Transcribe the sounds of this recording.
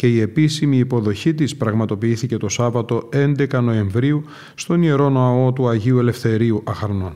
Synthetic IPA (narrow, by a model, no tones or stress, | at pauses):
ce̞ie̞pisimiːpo̞ðo̞çit̪ispɾɐɣmɐt̪o̞piiθice̞t̪o̞sɐvɐt̪o̞e̞nd̪e̞kɐno̞e̞ɱvɾiu | st̪o̞nie̞ɾo̞noɐo̞t̪uɐʝiue̞le̞fθe̞ɾiuʔɐxɐɾno̞n